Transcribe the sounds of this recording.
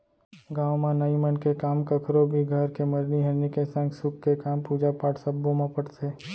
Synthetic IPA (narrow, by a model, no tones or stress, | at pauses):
ɡãːwmãnəimənkekaːmkəkʰɾobʱiɡʱəɾkeməɾniɦeɾnekesə̃ŋksʊkːekaːmpuːd͡ʒapaːʈsəbːomãpəʈseː